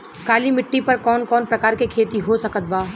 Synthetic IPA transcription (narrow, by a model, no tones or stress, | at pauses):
kaːlimɪʈːipɐɾkɔːnkɔːnpɾɐkaːɾkekʰeːt̪iɦosɐkət̪̚baː